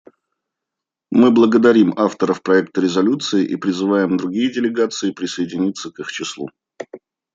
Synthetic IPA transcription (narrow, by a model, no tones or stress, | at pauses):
mɨblˠəɡəd̪ɐɾʲimaft̪əɾəfpɾɐɛk̚t̪əɾʲɪzɐlʲut̪sɨɪʔipɾʲɪzɨvajɪmd̪ɾʊɡʲijədʲɪlʲɪɡat̪sɨɪpɾʲɪsəɪdʲɪnʲit̪səkixt͡ɕɪslˠṵ